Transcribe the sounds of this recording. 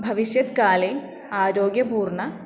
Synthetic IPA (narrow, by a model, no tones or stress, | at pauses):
bʱɐʋiɕjɐt̪kaːle | aːɾoːɡjɐpuːrɳɐ